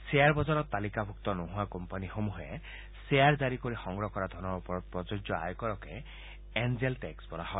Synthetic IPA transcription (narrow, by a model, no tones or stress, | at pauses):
seaɾbɔd͡ʒaɾɔt̪ːalikabʱuk̚t̪ɔnɔɦuakɔmpanixomuɦe | seaɾd͡ʒaɾikoɾixɔŋɡɾɔkɔɾad̪ʱɔnɔɾɔpɔɾɔt̪̚pɾɔd͡ʒɔd͡ʒjɔa̰jɔkɔɾɔke | end͡ʒelʈeksbɔlahɔj